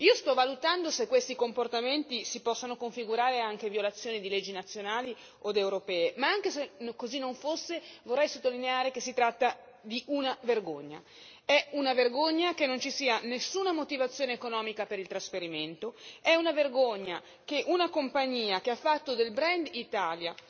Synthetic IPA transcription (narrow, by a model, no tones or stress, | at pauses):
iːost̪ɔvalut̪and̪osekːwest̪ikomport̪ament̪isipɔsːonokoɱfiɡuɾaːɾeaŋk̟evjolat̪sːjoːnid̪iled͡ʒːinat̪sːjonaːli | od̪ewɾopɛːemaaŋkesenkozinːoɱfosːevorːɛjsot̪ːolineaːɾek̟esːit̪ɾat̪ːa | d̪iʔunaverɡo̰ɲːa̰ | ɛunaverɡoɲːakenːont͡ʃisiːanesːuːnamot̪ivat̪sːjoːneːkonɔːmikapeɾilt̪ɾasfeɾiment̪oɛunaverɡoɲːa | keʔunakompaɲːiːakeafːat̪ːod̪elbɾɛnd̪it̪aːlja̰